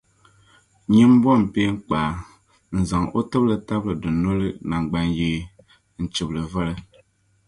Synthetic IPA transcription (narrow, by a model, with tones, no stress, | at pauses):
ɲi˦mbɔ˦m̩˨pe˦ŋ̩˦k͡paː˨ | n̩˨zɨ˨ŋo˦tɨ˦blɨ˨ta˦blɨ˨dɨ˨no˦lɨ˦na˨ŋ˨ɡ͡ba˦njeː˦ | n̩˨t͡ʃi˨blɨ˨va˦lɨ˦